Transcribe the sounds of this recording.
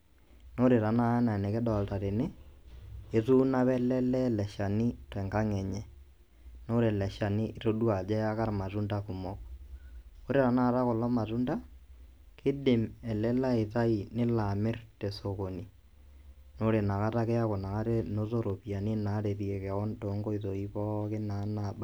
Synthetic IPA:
no˦ɾe˨ɾa˨na˦na˨nɛ˨kɛ˦dɔ˨lta˨ɾe˨nɪ˦ | e˨˦tu˦na˦βɛ˦lɛ˦lɛ˦lɛ˨ʃa˨ni˦tɛ˨ŋɡa˦ŋɛ˨ɲɛ˨ | no˦ɾe˨lɛ˨ʃa˨ni˦ʔɾo˦du˦a˨d͡ʒɛ˦a˦ka˦ɾma˨tu˦nda˦ku˨mɔ˦k̚ | o˦ɾe˨ɾa˨na˦˨ɾa˦kɔ˨lɔ˦ma˨tu˦nda˦ | kʰɪ˦dɪ˨mɛ˨lɛ˦la˦e˨ta˦i˨nɪ˦la˨mɪ˦rte˨so˨ko˨ni˨ | no˦ɾe˨na˨ka˦ta˦kɛ˦a˦ko˨na˨ka˦ɾe˦no˦to˦ɾo˨pi˨a˨ni˦na˨˦ɾe˨ðjɛ˨kɛ˨ɔ˦nto˨˦ŋɡo˦i˨ðo˨i˦pɔ˦kɪ˦na˨˦na˨ba˦

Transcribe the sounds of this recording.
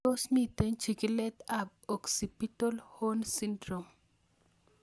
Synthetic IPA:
o˦smit̪e˦ɲt͡ʃi˨ɡi˦lɛ˦t̪a˨b̚ | o˨ksi˨pi˦to˦lho˦nsi˦ndɾo˨m

